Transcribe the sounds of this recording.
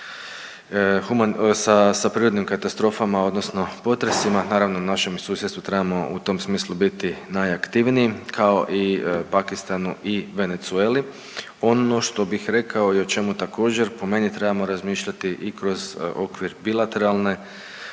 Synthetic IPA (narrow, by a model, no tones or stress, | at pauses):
xumansasapɾiːɾod̪nimkat̪ast̪ɾo̞ːfamao̞d̪no̞sno̞po̞t̪ɾesimanaːɾaʋno̞unaʃe̞msuːsjet̪t̪ut̪ɾe̞bamo̞ṵt̪o̞msmiːslubit̪inajakt̪iʋniikʰao̞̰ʔipakist̪anuiʋe̞ne̞t̪sue̞ːli | o̞no̞ʃt̪o̞bixɾe̞kao̞iot͡ʃe̞mut̪ako̞ːd͡ʑe̞ɾpo̞me̞nit̪ɾe̞bamo̞ɾazmiːʃʎat̪iʔikɾo̞zo̞kʋiɾbilˠat̪e̞ɾalˠne̞